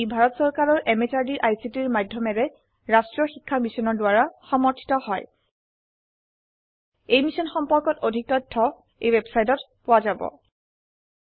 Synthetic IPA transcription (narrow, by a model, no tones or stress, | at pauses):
bʱaɹɔtsɔɹkaɹɔɹʔɛmetaɹdiʔajsitiɹmadʱjɔmɛɹɛ | ɹastɹɔxikʰːamisɔnɔɹdʊwaɹaxɔmɔɹtʰi̥tɔhɔj | ejmisɔnxɔmpɔɹkɔtodʱik̚tɔtʰːɔ | ḛjwɛbsajtɔt | pʊwazabɔ̰